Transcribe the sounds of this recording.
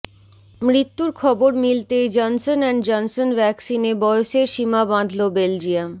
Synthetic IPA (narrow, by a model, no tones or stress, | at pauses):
mɾit̪ːuɾkʰɔboɾmilt̪ed͡ʑɔnsonɛɳd͡ʑɔnsonbɛksinebɔjoʃeɾʃimabãnd̪ʱlobeld͡ʑiam